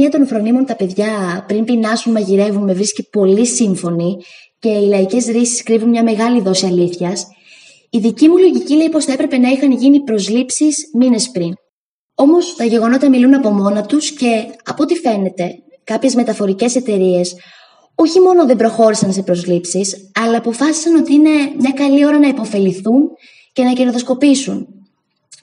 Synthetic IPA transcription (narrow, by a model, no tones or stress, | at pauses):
iɐt̪o̞nfɾo̞nimo̞nt̪ɐpe̞ðʝɐpɾimpinɐsunmɐʝiɾe̞vunme̞vɾiscipo̞lisiɱfo̞ni | ce̞ilɐice̞zɾisi̥skɾivunmɲɐme̞ɣɐliðo̞siɐliθçɐs | iðicimulo̞ʝicile̞ipo̞sθɐe̞pɾe̞pe̞nɐixɐnʝinipɾo̞zlipsismine̞spɾin | o̞mo̞st̪ɐʝe̞ɣonoit̪ɐmilunɐpo̞mo̞nɐt̪usce̞ɐpoot̪ife̞ne̞t̪e̞ | kɐpçe̞zme̞t̪ɐfo̞ɾice̞se̞t̪e̞ɾie̞s | o̞çimo̞no̞ðe̞mbɾo̞xo̞ɾisɐnse̞pɾo̞zlipsisɐlɐːpo̞fɐsi̥sɐno̞t̪iine̞mɲɐkɐlio̞ɾɐnɐipo̞fe̞liθun | ce̞nɐcenoðosko̞pisṵn